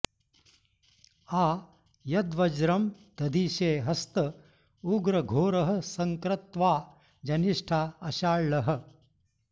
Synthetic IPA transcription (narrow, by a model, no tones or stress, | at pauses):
aː | jɐd̪ʋɐd͡ʒɾɐm | t̪ɐd̪ʱiːʃeːɦɐst̪ɐ | uɡɾɐɡʱoːɾɐɦɐ̆sɐŋkɾɐt̪ʋaː | d͡ʒɐniʂʈʰaːɐʃaːɭːɐɦɐ̆